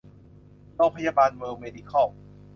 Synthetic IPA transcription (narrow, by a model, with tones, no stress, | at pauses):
lo˧pʰa˧jaː˧baː˧nwɤː˧meː˧di˧kʰɔ˥˩